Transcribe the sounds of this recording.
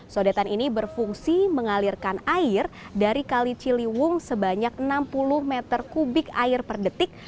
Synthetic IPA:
sodat̪aninibərfuŋsiməŋalirkanaɪr | daɾikalit͡ʃiliwʊŋsəbaɲak̚ənampulʊhmɛt̪ərkubɪka̰ɪrpərdət̪ɪk̚

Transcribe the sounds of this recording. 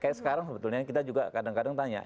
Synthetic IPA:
kajaksə̥kaɾaŋsəbət̪ulɲakit̪ad͡ʒuɡa̰kadaŋkadaŋt̪aɲa̰

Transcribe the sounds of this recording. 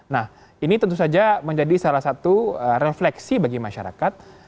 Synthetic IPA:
nah | init̪ənt̪usad͡ʒaməɲd͡ʒadisalahsat̪uəreflɛksibaɡimaʃa̰ɾa̰kat̪̚

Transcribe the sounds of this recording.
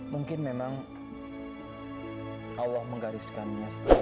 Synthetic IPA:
muŋkɪnmemaŋ | ʔalːɔhməŋɡaɾɪskanmas

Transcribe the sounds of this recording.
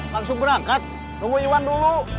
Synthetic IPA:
laksubəɾakat̪̚ | nuɡuiwandulu

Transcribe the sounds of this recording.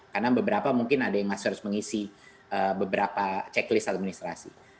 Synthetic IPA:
karnabəbəɾapamuŋkɪnadajaŋmasərsməŋisi | əbəbəɾapat͡ʃɛklɪst̪at̪̚minist̪ɾa̰sḭ

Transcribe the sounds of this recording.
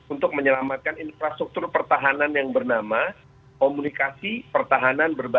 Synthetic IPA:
unt̪ʊk̚məɲəlamat̪̚kaninfɾast̪ɾuk̚t̪ʊrpərt̪aɦananjaŋbərnama | komunikasipərt̪aɦananbərba

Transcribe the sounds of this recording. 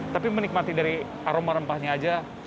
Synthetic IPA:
t̪apimənik̚mat̪idaɾi | aɾomaɾəmpahɲaːd͡ʒa

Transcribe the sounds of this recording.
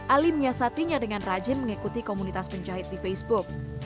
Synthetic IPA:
ʔaliməɲasat̪iɲadəŋanrad͡ʒɪmːəŋikut̪ikomunit̪aspəɲt͡ʃaɦɪt̪̚difejsbʊk̚

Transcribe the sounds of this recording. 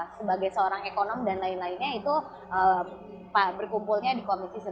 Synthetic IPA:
səbaɡajsəoɾaŋekonɔmdanlaɪnlainɲait̪u | ʔə | pabərkumpulɲadikomisisə

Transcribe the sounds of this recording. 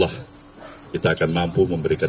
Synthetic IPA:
lah | kit̪aːkanmampuməmbəɾika

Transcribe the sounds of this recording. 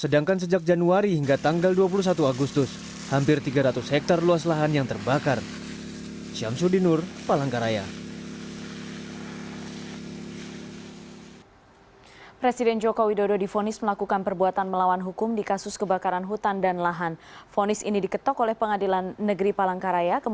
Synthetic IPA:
sədaŋkans̬əd͡ʒak̚d͡ʒanuaɾihiŋɡat̪aŋɡalduap̬ulus̬at̪uaɡust̪ʊs | hampɪrt̪iɡaɾat̪ʊshɛk̚t̪arluaslaɦanjaŋt̪ərbakar | t͡ʃiamsudinʊrpalaŋkaɾaja | pɾesidɛnd͡ʒokowidododifonɪsməlakukanpərbuat̪anməlawanɦukʊmdikasʊskəbakaɾanɦut̪andanlaɦan | fonɪsḭnidikət̪ɔkolɛhpəŋadilanːəɡɾipalaŋkaɾajakə

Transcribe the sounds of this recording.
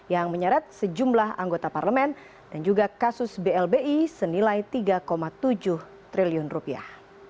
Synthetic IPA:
jaŋməɲəɾat̪̚səd͡ʒumlaɦa̰ŋɡot̪aparləmɛn | d̥and͡ʒuɡakasʊsbeɛlbeʔisənilajt̪iɡakomat̪ud͡ʒʊh | t̪ɾiliʊnrupia̰h

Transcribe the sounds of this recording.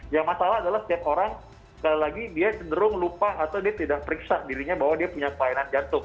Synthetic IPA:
jaŋmasalaadalahsə̥t̪iap̚oɾaŋ | kalilaɡidiat͡ʃəndəɾʊŋlupaːt̪awdiat̪idak̚pəɾiksadiɾiɲabawadiapuɲakəlajanand͡ʒant̪ʊŋ

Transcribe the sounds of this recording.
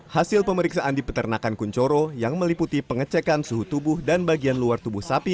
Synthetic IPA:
hasɪlpəməɾiksaʔandipət̪ərnakankuɲt͡ʃoɾojaŋməliput̪ipəŋət͡ʃɛkansuɦut̪ubʊhdanbaɡianluart̪ubuhsapi

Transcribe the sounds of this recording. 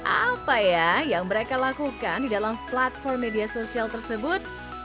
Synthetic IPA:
ʔa̰pajajaŋməɾekalakukandidalamplat̪̚fɔrmːediasosialt̪ərsəbʊt̪̚

